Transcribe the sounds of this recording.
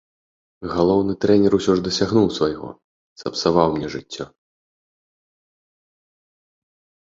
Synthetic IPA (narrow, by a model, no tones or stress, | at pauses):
ɣalˠɔwnɨt̪ɾɛnʲɛɾusʲɔʐd̪ɐsʲaɣnuwsvajɣɔ̰ | sɐpsavawmnʲɛʐɨt͡sʲːɔ